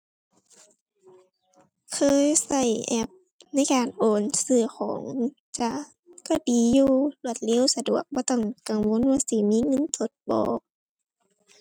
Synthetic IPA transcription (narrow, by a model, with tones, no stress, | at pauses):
kʰɤː˧˦˨jsa˧˩jʔɛ˧˩p̚ | na˧˥˨jkaː˨nʔoː˨˩nsɯː˧˩xʰɔ̰ː˨˦ŋ | t͡ɕa˧˦ | ka˧˩diː˨˩juː˧˩lu˧˩ət̪̚le˧˥˨wsa˧du˨˩ək̚bɔː˧˦t̪ɔ˥˩ŋka˨˩ŋwo˧˥˨nwaː˧˨si˧˩miː˧˥˨ŋɤ˧˥˨nt̪ʰo˧˦t̪̚bɔ̰ː˨˦k̚